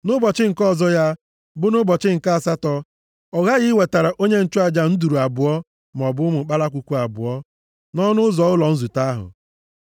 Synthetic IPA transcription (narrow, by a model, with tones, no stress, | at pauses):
nʊ˦bɔ˨t͡ʃɪ˦ŋ̩˨kɔ˦˨zɔ˦ja˦ | bʊ˦nʊ˦bɔ˨t͡ʃɪ˦ŋ̩˨ka˦a˨sa˦tɔ˦ | ɔ˨ɣa˦ɣɪ˦we˨ta˨ɾa˨ʔo˦ɲe˦n̩˦t͡ʃʊ˦a˨d͡ʒa˨n̩˦du˨ɾu˨a˨bʊ˨ɔ˦ | m˨ɔ˨bʊ˦mʊ˨k͡pa˦la˦kʷu˨kʷu˦a˨bʊ̰˨ɔ˦ | nɔ˦nʊ˦zɔ˨ʊ˦lɔ˨n̩˦zu˨ta˦ɦʊ̰˨